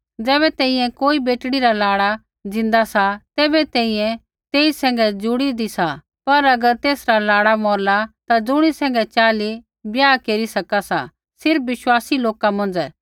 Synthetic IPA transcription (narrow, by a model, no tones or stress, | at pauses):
d͡zɛːβɛt̪ɛ̃ːĩjɛ̃koːibeːʈɽiɾalaːɽa | d͡zɪ̃nd̪asat̪ɛːbɛt̪ɛ̃ːĩjɛ̃ | t̪eːisɛ̃ːŋ̆ɡɛd͡zʊɽid̪isa | pɐɾɐɡəɾt̪eːsɾalaːɽamɔːɾlat̪ad͡zʊɽ̃isɛ̃ːŋ̆ɡɛt͡ʃaːli | bjaːkeːɾisɐkasa̰ | sɪɾpʋɪʃwaːsiloːkamɐ̃n̆d͡zɛː